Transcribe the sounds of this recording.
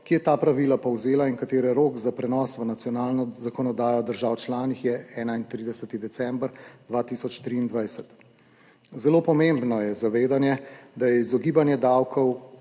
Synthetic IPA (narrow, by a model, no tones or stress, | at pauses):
kijɛt̪aːpɾaʋiːlapɔwzeːlaiŋkat̪eːɾɛɾoːkzapɾɛnɔsʋənat̪sijɔnaːlnɔzakɔnɔd̪aːjɔd̪əɾʒaːwt͡ʃlaːnixjɛɛːnaint̪ɾid̪ɛsət̪id̪ɛtsɛmbɾd̪ʋaːt̪isɔt͡ʃt̪ɾiːnd̪ʋajsət̪ | zɛloːpɔmembnɔjɛzaʋeːd̪anjɛd̪ajɛizɔɡiːbanjɛd̪awkʰɔw